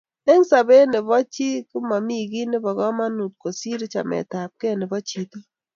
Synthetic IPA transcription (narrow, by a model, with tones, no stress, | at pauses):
e˦ŋsa˨be˦nɪ˨βɔ˦t͡ʃi˦kʊ˦ma˨mi˦ɡi˦nɪ˦bɔ˨ɣɔ˦ma˦nu˨t̚ko˨si˦ɾi˦t͡ʃa̰˨mɛ̰˨ta˨p̚ke˦nɪ˨bɔ˦t͡ʃi˦˨to˦